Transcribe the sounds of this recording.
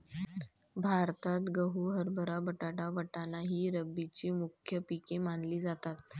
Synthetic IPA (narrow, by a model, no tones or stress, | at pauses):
bʱaɾt̪at̪ɡəɦuːɦəɾbʱəɾabəʈaʈabəʈanaɦiːɾəbit͡ɕiːmukʰjəpikemanliːd͡zat̪at̪̚